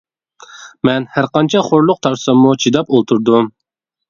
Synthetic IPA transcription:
mɛnhæɾqɑnt͡ʃʰɑχoɾlˠʊq̚t̪ʰɑɾsɑmːut͡ʃʰid̪ɑpolˠt̪ʰuɾd̪um

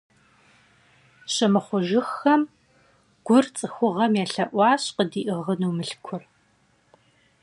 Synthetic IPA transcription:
ɕɐmɨχʷʊʒɪxɐm | ɡ̥ʷʊrt͡sʼɨxʷʊʁɐmjɛːɬɐʔʷɑːɕqədiːʔɨʁənuːmɨɬkʷʰʊr

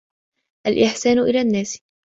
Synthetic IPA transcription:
ʔalʔɪħsaːnʔɪlaːnːaːs

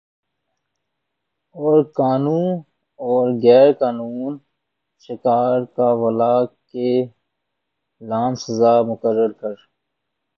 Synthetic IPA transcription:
ɔːɾkaːnuːn | ɔːɾɣɛːɾkaːnuːn | ʃɪkaːɾkawɐlaːke | laːnsəzaːmʊkəɾːəɾkəɾ

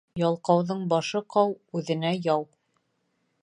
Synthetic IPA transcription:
jɑlˠqɑwðɤɴbɑʃɤqɑwʉðɘ̆næjɑw

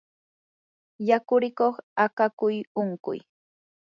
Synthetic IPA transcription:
jakʊɾɪkoχakakʊjʊŋkʊ̰j

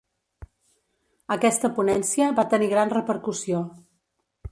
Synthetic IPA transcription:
əkɛst̪əpunɛnsiəβat̪əniɣɾanrəpəɾkusio

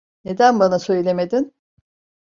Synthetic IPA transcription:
ne̞d̪ænbanasø̞jlʲe̞me̞d̪in

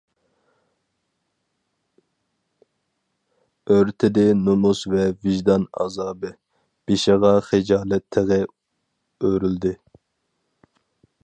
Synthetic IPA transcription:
øɾt̪ʰɪd̪ɪnomusvɛvɪʒd̪ɑnɑ̰zɑːbɨ | b̥eʃɪʁɑχed͡ʒɑːlˠɛt̪ʰːeʁɪ | øɾyld̪ɪ

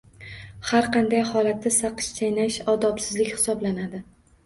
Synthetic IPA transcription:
haɾqʰɑnd̪ajhɒlat̪ʰːasaqɨ̥ʃt̪ʰajnaʃɒd̪ɒpsɪzlɪkʲhɪ̥sɒblanad̪ɪ

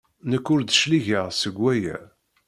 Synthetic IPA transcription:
nəkːʊɾd̪ʃliʝəʁsəɡʷːæjæ̰

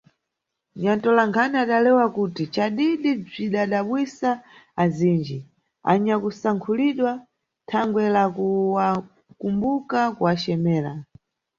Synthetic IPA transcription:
ɲantɔlaŋkʰaniaɗalɛwakuːtit͡ʃaɗiɗib͡ʐiɗaɗaɓwisaːziːnd͡ʒi | a̰ɲakusaŋkʰuliɗwa | tʰaŋɡwɛlakuwa | kumbukakuwat͡ʃɛmɛːla̰

